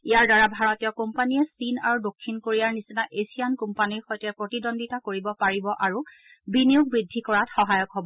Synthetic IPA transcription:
ijaɹdaɹabʱaɹɔtijɔkompanijɛsina̰ɹudokʰːinkoɹijaɹnisinaʔesijankumpaniɹxɔjtɛpɹotidɔndʱitakoɹibɔpaɹibɔʔaɹu | binijuk̚bɹidʱːikɔɹatxɔɦajɔkɦɔbɔ

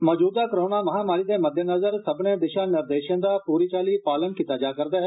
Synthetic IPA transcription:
mɔːd͡ʒuːd̪aːkəɾoːnaːməɦaːmaːɾiːd̪eːməd̪ʱjənəzəɾsəbnẽːd̪ɪʃãːnɪɾd̪eːʃãːd̪aːpuːɾiːt͡ʃaːliːpaːlənkiːt̪aːd͡ʒaːkəɾd̪aːɦɛ

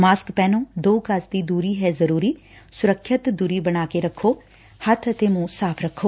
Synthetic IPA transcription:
maːskpɛːnõːd̪oːkəsd̪iːd̪uːɾiːɦɛːzəɾuːɾiː | sʊɾəkʰːət̪d̪uːɾiːbəɽaːkeːɾəkʰːoː | hət̪ʰət̪eːmũːsaːpʰɾəkʰːoː

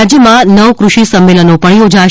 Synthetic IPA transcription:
d͡ʒjəmãnəʋkɾuʃisəmːelənopəɳjod͡ʒa

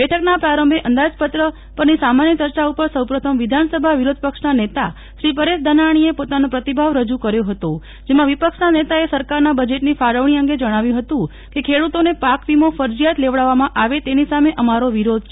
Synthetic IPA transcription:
bɛʈʰəknapɾaɾəmbʱeʔənd̪ad͡ʒpət̪ɾə | pəɾnisamanjət͡ʃəɾt͡ʃaupəɾsəwpɾət̪ʰəmʋid̪ʱansəbʱaʋiɾod̪̚ʱpəkʂnanet̪a̰ | ʃɾipəɾeʃd̪ʱənaɽ̃iepot̪anõpɾət̪ibʱaʋɾəd͡ʒukəɾjoɦət̪o | d͡ʒemãʋipəkʂnanet̪aesəɾkaɾnabəd͡ʒeʈnifaɾəʋɳ̃iə̃ŋɡed͡ʒəɽ̃aʋjũɦət̪ũ | kekʰeɽut̪onepakʋimofəɾd͡ʒijat̪leʋɭaʋamãʔaʋet̪enisameʔəmaɾoʋiɾod̪ʱt͡ʃʰe

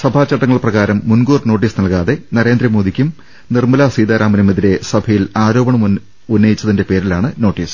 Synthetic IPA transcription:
sɐbʱaːt͡ɕːɐʈːɐŋːɐɭprɐɣaːɾɐmːunɡuːrno̞ːʈ̬ːiːsnɐlkaːðe̞nɐɾe̞ːnd̪ɾɐmo̞ːd̪ikʲːum | nirmɐlasiːd̪aːɾʔaːmɐnumeðiɾe̞sɐbʱɐjilaːɾo̞ːbɐɳɐm | unːɐjit͡ɕːɐðinde̞pe̞ːɾilaːɳɨno̞ːʈːiːs

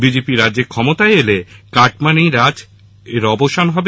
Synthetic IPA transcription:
bid͡ʑepiɾadːʑeɾkʰɔmot̪aeelekaʈmaniɾad͡ʑ | eɾɔboʃanɦɔbe

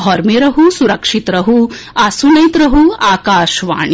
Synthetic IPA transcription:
ɦɔɾmeɾɐɦusuɾɐkʂit̪ɾɐɦu | asunɐjt̪ɾɐɦuaːkaːʃʋa̰ːɳi

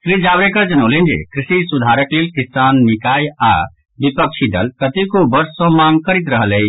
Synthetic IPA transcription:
kɾid͡ʒaːbɾekəɾd͡ʒənolẽnd͡ʒḛkɾɪsisud̪ʱaːɾəkleːlkɪsaːnːikaːja̰ | bipəkt͡ʃʰid̪ə̰lkət̪ikobəɾsːɔ̃mãːŋɡ̚kəɾit̪ɾəɦəlej

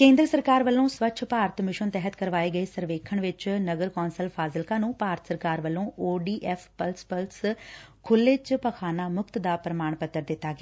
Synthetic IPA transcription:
kẽːnd̪ɾəsəɾkaːɾʋəlːõːsʋət͡ʃʰpaːɾt̪mɪʃənt̪ɛːɦət̪kəɾʋaːeːɡəeːsəɾʋeːkʰəɳʋɪt͡ʃnəɡəɾkɔːnsəlpʰaːzɪlkãːnũːpaːɾət̪səɾkaːɾʋəlːõːʔoːɖiːʔɛːpʰpəlspəlskʰʊlːeːt͡ʃpəkʰaːnaːmʊkt̪d̪aːpɾəmaːɳpət̪ːəɾd̪ɪt̪ːaːɡeaː

